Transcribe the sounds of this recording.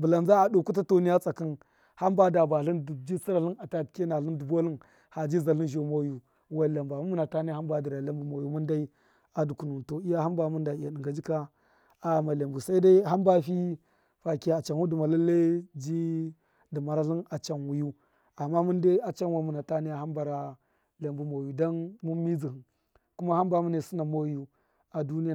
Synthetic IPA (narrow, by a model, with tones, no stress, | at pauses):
bu˨la˨nza˦a˨do˨ku˦ta˦to˨ni˦ja˦t͡sʼa˨ki˦n | ha˦mba˦da˨ba˨ɬi˦ndd͡ʒi˦si˦ɾa˨ɬi˦na˨ta˨tke˦na˨ɬi˦ndu˨bo˦li˦n | ha˨d͡ʒi˦za˨li˦nʒo˨ma˦ju˨ | wa˦˨la˨mba˨mu˦mu˦na˨ta˦ni˦ha˦mba˨di˨ɾa˨la˦mbu˨ma˨ju˦mu˦nda˦i˦ | a˨du˨ku˨nu˨nto˨i˦ja˦ha˦mba˨mu˦nda˨i˨ja˨di˨ŋɡa˨d͡ʒi˦ka˦ | a˦˨ma˨le˨mbu˨sa˦i˦da˦i˦ɦa˦mba˦fi˦ | fa˨ki˦a˦a˨t͡ʃa˨nwu˦du˨ma˨la˦lːa˦d͡ʒi˦ | di˨ma˨ɾa˦ɬi˦na˨t͡ʃa˨nwu˨ju˦ | a˨mːa˦mu˦nda˦a˨t͡ʃa˦nwa˨˦mu˨na˨ta˦ni˦ja˨ɦa˦mba˨ɾa˨ | le˨mbu˦mo˨ju˨da˦nmu˦mi˦d͡zi˨hi˨n | ku˦ma˦ha˦mba˨mu˦ne˨su˦na˨mo˦ju˨ | a˨du˦ni˦˨